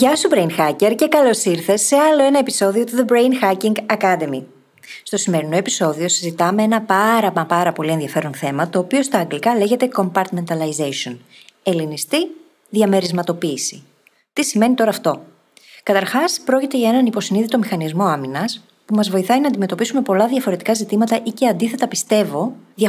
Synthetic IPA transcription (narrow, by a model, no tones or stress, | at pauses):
ʝɐst̪ubɾejnxɐce̞ɾce̞kɐlo̞siɾθe̞sːe̞ɐlo̞e̞nɐe̞pi̥so̞ðio̞t̪uðebɾejnxɐciŋɡɐkɐd̪e̞mi | st̪o̞sime̞ɾino̞e̞piso̞ðio̞sizit̪ɐme̞enɐpɐɾɐɐpɐɾɐpo̞lie̞nðiɐfe̞ɾo̞nθe̞mɐt̪o̞ːpio̞st̪ɐːŋɡlikɐle̞ʝe̞t̪e̞ko̞mpɐɾt̪me̞nt̪ɐlɐizejso̞ne̞linist̪i | ðʝɐme̞ɾizmɐt̪o̞piːsi | t̪isime̞nit̪o̞ɾɐːft̪o̞ | kɐt̪ɐɾxɐspɾo̞cit̪eʝɐe̞nɐnipo̞siniðit̪o̞mixɐnizmo̞ɐminɐs | pumɐzvo̞iθɐinɐːnd̪ime̞t̪o̞pisume̞po̞lɐðʝɐfo̞ɾe̞t̪i̥kɐzit̪imɐt̪ɐʔice̞ɐnd̪iθe̞t̪ɐpist̪e̞vo̞ðɐ